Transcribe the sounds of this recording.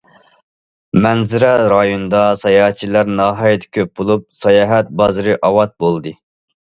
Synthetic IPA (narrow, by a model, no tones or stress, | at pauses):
mɛnzɪɾɛɾɑjond̪ɑsɑjɑhɛt̪̚t͡ʃʰilæɾnɑːɦɑːjɛt̪ʰkʲʰøp̚bolˠup̚sɑjɑːɦɛt̪̚bɑzɨɾɨʔɑwɑt̪̚bolˠd̪ɨ